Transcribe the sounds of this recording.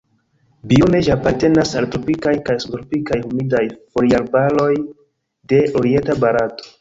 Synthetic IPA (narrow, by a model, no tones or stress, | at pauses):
biune̞ʒapaɾte̞nasaltɾo̞pikajkajsutɾopikajhumidajfoɾialbalo̞j | de̞ʔo̞ɾie̞ntabaɾato̥